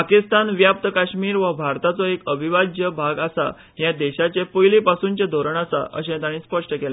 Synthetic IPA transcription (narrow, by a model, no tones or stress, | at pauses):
akist̪anʋjap̚t̪əkaɕmiːɾʋəbʱaɾt̪at͡sɔekəbʱiʋad͡ʑjəbʱaɡasa̰ | ɦjãd̪eɕat͡ɕepojlipasuːnt͡ɕed̪ʱoɾəɳ̃asa̰ʔə̰ɕẽt̪aɽ̃ĩːspəʂʈəkel